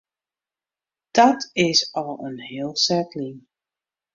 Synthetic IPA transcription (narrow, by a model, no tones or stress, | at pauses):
d̥ɔtɪsɔlˠənɦɪːəlˠsɛtlɪŋ